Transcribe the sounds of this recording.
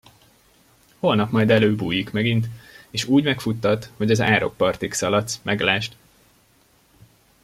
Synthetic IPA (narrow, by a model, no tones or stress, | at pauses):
holnɒpmɒjd̪ɛløːbuːjikmɛɡint̪eːʃuːɟmɛkfut̪ːɒt̪hoɟɒza̰ːɾo̞̰k̚pɒrt̪iksɒlɒt̪smʔɛɡlaːʃt̪